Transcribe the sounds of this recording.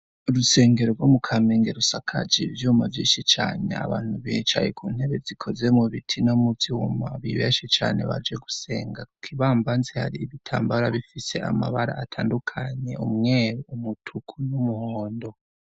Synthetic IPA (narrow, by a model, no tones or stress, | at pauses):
ɾuse̞ːŋɡe̞ɾoɾɡwomukʰameːŋɡeɾusakʰa̰d͡ʒivjuːmavjiːnʃit͡ʃaːne̞̰a̰βaːn̥huβiːt͡ʃa̰jekʰuːnhe̞βe̞zikʰo̞ze̞muβitʰinomutiwumaβiβeːʃit͡ʃa̰ːneβa̰d͡ʒe̞ɡuse̞ːŋɡaku̥kʰiβaːmbanzeha̰ɾiːβitʰaːmbaɾaβifise̞a̰ma̰βaɾa̰atʰaːndukʰaɲe̞umŋeːɾoumutʰukʰunumuhoːndo̞